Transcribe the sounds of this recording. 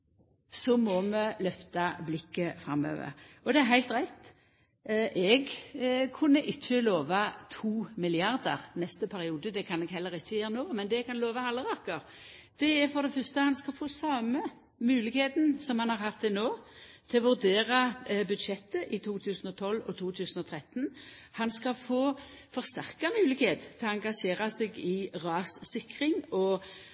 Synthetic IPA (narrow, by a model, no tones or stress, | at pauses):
sɔmɔməlœft̪ɑblɪkːəfɾɑ̰mːø̰ːʋə̰ɾɔd̪ɛæɾɦæɪlt̪ʁæɪt̪ | ʔɛɡkʰʉnːəʔɪçːəloːʋɑt̪ʰuːmɪlɪɑʁd̪ə̰ʁnɛst̪əpʰæɾɪuːd̪əd̪ɛkʰɑnɛɡɦɛlːəʁɪçːəjæːɾənoːmɛnd̪ɛɛɡ̚kɑnloːʋɑɑlːəʁɑkəɾ | d̪̥ɛæɾfɔd̪ɛfœst̪əhɑnskɑlfoːsɑmə | mʉːlɪɡheːt̪n̩sɔmhɑnhɑʁhɑt̪d̪ɛnoːt̪ʰɪlʋʉɾd̪eːɾɑbʉd̪ʂɛt̪ːəʔɪt̪ʰuːt̪ʰʉːsn̩ɔt̪ʰɔlːɔ̰t̪ʰuːt̪ʰʉːsnɔt̪ʰʁɛt̪nhɑnskɑfoːfɔʁst̪æʁkɑmʉːlɪɡheːt̪t̪ʰɛɔɑŋɡɑʂeːɾɑsɛɡɪʁɑːssɪkʁɪŋɔ